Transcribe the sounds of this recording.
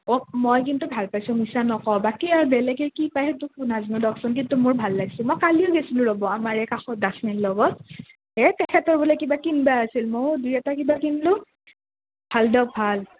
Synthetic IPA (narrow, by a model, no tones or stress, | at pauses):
ɔmɔjkintubʱalpajsʊ̃misanɔkɔbakiaɹbɛlɛɡɛɹkipajɦɛtʊkʊnaznudɔksɔnk̬intumʊɹbʱalːaɡsʊ̃mɔjkaliʊɡɛsilʊ̃ɹɔbɔamaɹɛkaxɔt̚dasnɛnlɔɡɔt̚ | ɛtɛkʰɛtɔɹbulakibakinbaasilmodujɛtakibakinlʊ | bʱaldɔbʱal